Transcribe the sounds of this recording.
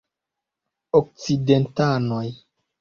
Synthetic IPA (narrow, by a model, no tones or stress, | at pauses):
ok̚t͡sidentanoj